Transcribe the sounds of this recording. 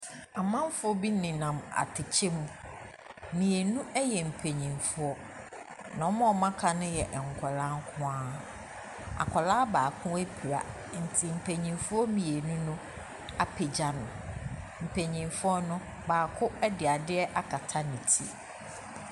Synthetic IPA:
a˨mã˦m˦fʊ˦ɔ˦bi˦nɪ̃˨nã˨ma̰˨tʰɪ˨t͡ɕʰe˦mũ˦ | mĩ˨e˨nũ˦ʔɛ˦jɛ˨m̩˨pʰe˨ɲĩ˨nfʊ˦ɔ˦ | nã˨ɔ˦mã˦ɔ˨mã˦kʰa˨nʊ̃˦jɛ˨ʔŋ̩˨kʷʰɔ˨lã˦ŋ˦kʰʊ̃˦ã˦ | a̰˨kʷʰɔ˨laː˦baː˨kʰʊ̃˦e˦pʰi˨ɾa̰˨ | n̩˨tʰɪ˨m̩˨pʰe˨ɲĩ˨nfʊ˦ɔ˦mĩ˨e˨nũ˦nʊ̃˦ | a˨pʰe˨d͡ʑa˨nʊ̃˨ | m̩˨pʰe˨ɲĩ˨nfʊ˦ɔ˦nʊ̃˦ | baː˨kʰʊ˦ɛ˦dɪ˨a˨dɪ˦ɛ˦ʔa˦kʰa˨tʰa˦nĩ˨tʰḭ˦

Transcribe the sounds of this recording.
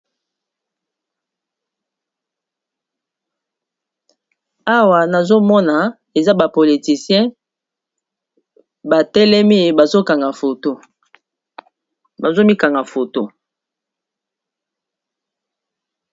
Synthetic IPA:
a˦wa˨na˨zo˦mɔ˦na˨ | e˨za˦ba˨po˨li˨ti˨sjɛ̃˦ | ba˨tɛ˦lɛ˦mi˦˨ba˨zo˦ka˨ŋɡa˨fo˨to˦ | ba˨zo˦mi˦ka˨ŋɡa˨fo˨to˦

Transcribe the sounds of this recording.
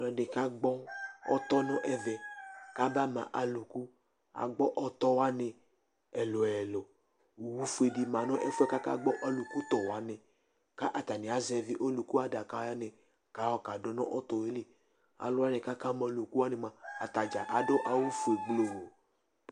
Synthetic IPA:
lɔ˨de˨ka˦ɡ͡bɔ˦ɔ̰˦t̪ɔ˦nɔ̃˦ʔɛ˨vɛ˨ka˦ba˦mã̰˨ʔa˨lu˨ku˦ | a̰˨ɡ͡bɔ˦ʔɔ˦t̪ɔ˦wa˦nẽ˧ | ɛ˨lo˨ɛ˨lɔ˨ | wu˦fu˦e˨di˨mã˨nɔ̃˦ʔɛ˦fu˦ɛ˦ka˦ka̰˦ɡ͡bɔ˦ʔa˨lu˨ku˦t̪ɔ˨wa˨˦nẽ˨ | ka˦ʔa˨t̪a˨ne˨a˨zɛ˨vi˦ʔo˦lu˨ku˦a˨da˨ka˨˦a˦nẽ˨ | ka˦wɔ˦ka˨do˨˦nɔ̰̃˦ʔɔ˦t̪ɔ˨we˨˦le˦˨ | a̰˨lo˨˦wa˦nẽ˨ka˦ka˦mã˨˦lu˨ku˦wa˦ne˨mã˨a˨t̪a˨d͡ʒa˨ʔa˨do˦ʔa˨wu˦fu˨e˨ɡ͡blo˨o˨

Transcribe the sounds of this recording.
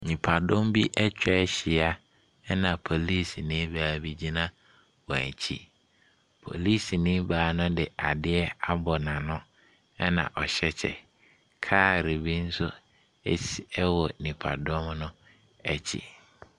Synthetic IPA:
nĩ˨pʰa˨dʊ̃˦mbi˦ʔɛ˦t͡ɕᶣɛ˦ɕɪ˨a˦ | ɛ˦nã˨pʰo˨li˦˨snĩ˦baː˨bi˦d͡ʑi˦nã˦ | wã̰˨ɲ˨t͡ɕʰḭ˦ | pʰo̰˨li˦snĩ˦baː˨nʊ̃˦dɪ˨a˨dɪ˦ɛ˦a˦bɔ˨nã˨nʊ̃˦ | ɛ˦nã̰˨ʔɔ˨ɕɛ˦t͡ɕʰɛ̰˨ | kʰaː˦˨ɾe˨bi˦n̩˦sʊ˦ | ɛ̰˦si˨ɛ˦wɔ˨nĩ˨pʰa̰˨dɔ̃˦mnʊ̃˦ | ɛ˨t͡ɕʰḭ˨

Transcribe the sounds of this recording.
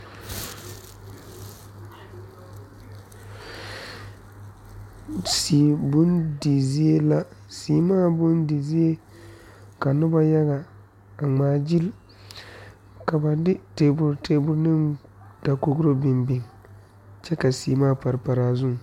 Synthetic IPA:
si˨bʊ˦ndi˨zi˦e˦la˦siː˨˦maː˦bʊ˦ndi˨zi˦e˦ | ka˨nʊ˦ba˦ja˦ɣa˨ | a˨ŋ͡maː˨d͡ʒi˦l | ka˨ba˨dɪ˦te˨bʊ˨ɾte˦bʊ˦ɾnɪ˦m | d̥a˨ko˦ɡɾo˦bɪ˨mbɪ˨ŋ | t͡ʃɛ˦ka˨si˨˦maː˦pa˨ɾɪ˨pa˨ɾaː˨zʊ˦˨

